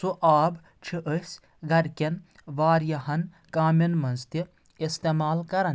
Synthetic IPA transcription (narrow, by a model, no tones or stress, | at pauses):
suʔaːb | t͡ʃʰiʔəs | ɡɐɾkʲɐn | ʋaːɾjɐɦɐn | kaːmʲɐnmɐnst̪i | ist̪eːmaːlkɐɾɐn